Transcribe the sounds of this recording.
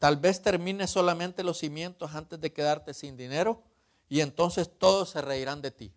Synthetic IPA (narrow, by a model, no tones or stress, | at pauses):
t̪albe̞st̪e̞ɾmĩneso̞lamẽ̞nt̪e̞lo̞sːimje̞nt̪osant̪e̞zd̪eke̞ðaɾt̪e̞sind̪ine̞ɾo̞ | ie̞nt̪o̞nse̞st̪o̞ðo̞sːe̞reiɾand̪e̞t̪ḭ